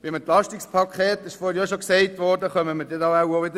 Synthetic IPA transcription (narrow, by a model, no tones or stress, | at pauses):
b̥ɪmɛnt̪lɑʃtikspʰɑkʰχɛːtɪʃfɔːhɾjɑːʃoksɛɪtʋɔːrdəχœməməɾdɛtɑaʊoʋɪd̪ə